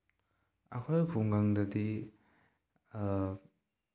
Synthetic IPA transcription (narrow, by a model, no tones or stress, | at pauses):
ɐ̰kʰojkʰuŋɡaŋdɐdi